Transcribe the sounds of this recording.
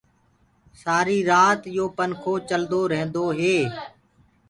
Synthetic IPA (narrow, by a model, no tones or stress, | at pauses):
saːɾiːɾaːt̪joːpənkʰoːt͡ʃəld̪oːɾɛɦə̃nd̪oːɦeː